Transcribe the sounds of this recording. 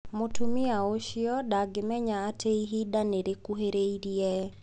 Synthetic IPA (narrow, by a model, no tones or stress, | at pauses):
mʊtʰumiaoʃiɔɗaɡɪmɛɲaːtʰeiɦidaneɾekuɦeɾeiɾiɛ